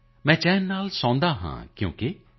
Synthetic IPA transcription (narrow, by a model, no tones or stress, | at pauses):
mɛ̃ːt͡ʃɛːnːaːlsãːnd̪aːɦã̰ːkjõ̰ːke